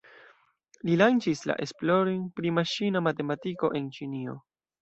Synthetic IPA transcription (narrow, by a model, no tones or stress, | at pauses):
lilant͡ʃisla̰ʔe̞splo̞ɾinpɾimaʃinamate̞matiko̞̰ʔe̞nt͡ʃinio̞̰